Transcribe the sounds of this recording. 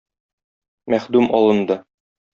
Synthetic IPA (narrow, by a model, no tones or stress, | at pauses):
mæχd̪ʉmʔɒlˠɤ̆nd̪ɤ